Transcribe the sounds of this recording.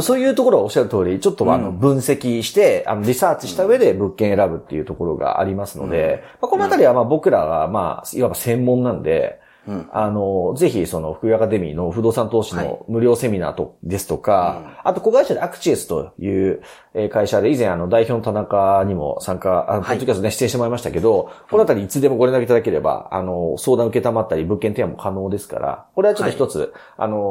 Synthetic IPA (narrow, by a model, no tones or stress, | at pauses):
so̞ːjɯ̟ːt̪oko̞ɾoɡaoɕaɾɯ̟t̪o̞ːɾʲit͡ɕo̞t̪ːoa̰no̞bɯ̟̃ɰ̃se̞kʲiɕi̥t̪e̞a̰no̞ɾʲisaːt͡ɕi̥ɕi̥t̪aɯ̟e̞d̪e̞bɯ̟kːẽɰ̃eɾabɯ̟t̪ːe̞̰iɯ̟t̪o̞ko̞ɾo̞ɡa̰a̰ɾʲimasɨno̞̰d̪e̞mako̞no̞at̪aɾʲiβamaːbo̞kɯ̟ɾaβa̰ma̰ːimabasẽ̞mːõ̞nːãnod̪e̞̰ | ano̞ze̞çiso̞no̞ɸɯ̥kɯ̟ɡakad̪e̞mʲḭːno̞ɸɯ̟d̪o̞ːsãnt̪o̞ːɕino̞̰mɯ̟ɾʲo̞ːse̞mʲina̰ːt̪o̞̰d̪e̞sɨ̥t̪o̞kaat̪oko̞ɡaiɕad̪eakɯ̟̥t͡ɕiesɨ̥t̪o̞̰jɯ̟ː | e̞ːkaiɕad̪e̞izẽɰ̃ano̞d̪aiço̞ːno̞t̪anakaɲ̟imo̞̰sãŋkaanopod̪ːokʲast̪oneɕi̥t̪ːẽɕit̪eoaimaɕi̥t̪a̰ke̞d̪o̞konat̪aɾʲiːt͡sɨd̪e̞mo̞ɡo̞ɾẽnakeit̪ad̪ake̞ɾe̞ba̰a̰no̞so̞ːd̪ãɯ̟ke̞t̪amat̪ːaɾʲibɯ̟ŋkːent̪emamo̞̰kʰano̞ːd̪e̞sɨ̥ka̰ɾa̰ko̞ɾe̞at͡ɕo̞t̪ːoçi̥t̪o̞t͡sɨ̰ | a̰no̞